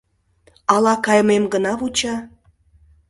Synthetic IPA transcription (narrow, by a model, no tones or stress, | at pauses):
ɑlɑkɑjmemɡənɑβut͡ɕɑ